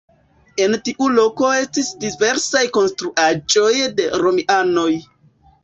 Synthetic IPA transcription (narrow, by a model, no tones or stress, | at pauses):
e̞ntiʔulo̞ko̞e̞stisdive̞ɾsajko̞nstɾuʔad͡ʒo̞jde̞ɾo̞miʔano̞j